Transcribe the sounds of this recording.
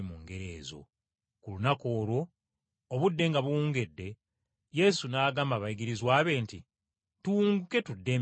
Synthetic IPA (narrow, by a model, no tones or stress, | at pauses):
muŋɡe̞ɾe̞ːzo̞̰ | kulunako̞ːɾo̞ː | βudːe̞ŋɡaβuuːŋɡe̞dːe̞ | je̞sunaːɡaːmaβajiɡiɾizwaːβe̞nti | tuuŋɡuke̞tudːe̞m